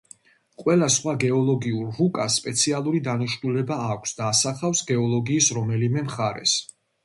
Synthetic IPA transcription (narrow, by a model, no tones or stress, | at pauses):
qʼwɛlasχwaɡɛɔlˠɔɡiuɾːukʼasːpʼɛt̪sʰialˠuɾid̪aniʃnulɛbaːkʷʰsd̪aːsaχafsɡɛɔlˠɔɡiːsɾɔmɛlimɛmχaɾɛ̰s